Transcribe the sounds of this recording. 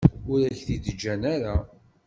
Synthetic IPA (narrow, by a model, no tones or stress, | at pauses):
ʊɾæçθid̪əd͡ʒːænæɾa